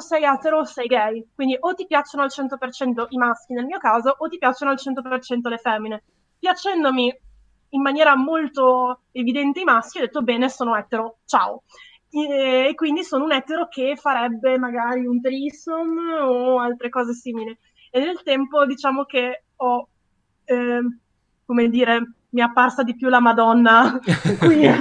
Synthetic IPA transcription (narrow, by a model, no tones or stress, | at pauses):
sɛjɛt̪ːeɾosɛjɡɛjkwind̪iʔot̪ːipjat͡ʃːonoalt͡ʃɛnt̪opert͡ʃɛnt̪oʔimask̟inelmiːokaːzoʔot̪ːipjat͡ʃːonoalt͡ʃɛnt̪̬opert͡ʃɛnt̪̬olefɛmːine | pjat͡ʃɛnd̪omiː | mːanjɛːɾamolt̪oevid̪ɛnt̪eimask̟iɔd̪et̪ːobɛːnesoːnoɛt̪ːeɾot͡ʃa̰ːo | kːwind̪isoːnounɛt̪ːeɾokʰefaɾɛbːemaɡaːɾiunt̪ɾisonoalt̪ɾekɔːzesiːmile | enːelt̪ɛmpod̪it͡ʃaːmok̟e | ɔ | komed̪iːɾe | miapːarsad̪ipjulamad̪ɔnːakwi